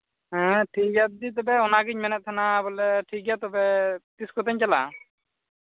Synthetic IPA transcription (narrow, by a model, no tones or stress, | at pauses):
ɦɛ̃ʈʰiɡat̪̚d̪it̪̬ɔbɛɔnaɡiɲmɛnɛt̪ʰːanabɔlɛʈʰik̚ɡat̪ɔbɛt̪iskɔt̪aɲt͡ʃala̰